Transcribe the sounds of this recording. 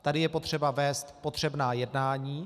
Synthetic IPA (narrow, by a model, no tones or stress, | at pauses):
t̪adɪjɛpo̞t̪r̝̥ɛbavɛːst̪po̞t̪r̝̥ɛbnaːjɛdnaːɲiː